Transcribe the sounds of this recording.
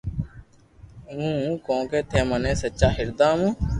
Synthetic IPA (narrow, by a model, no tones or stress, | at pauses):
ɦũːkõːkeːt̪ʰeːmənẽːsətːʃaːɦɪɾd̪aːmũ